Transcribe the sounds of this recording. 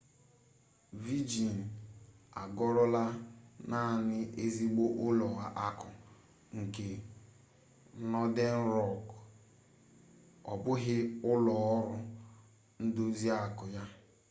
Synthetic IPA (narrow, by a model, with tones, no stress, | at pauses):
vi˦d͡ʒi˨n̩˨a˨ɡɔ˦ɾɔ˦la˦na˦˨nɪ˦ʔe˦zi˦ɡ͡bo˦ʔʊ˦lɔ˨a˨ʔa˦kʊ˨ | ŋ̩˨ke˨˦ | nɔ˦de˦n̩˦ɾɔ˦˨k | ɔ˨bʊ˦ɦɪ˦ʊ˦lɔ˨ɔ˦ɾʊ˦ | n̩˦do˦zi˦a˦˨kʊ˨ja˦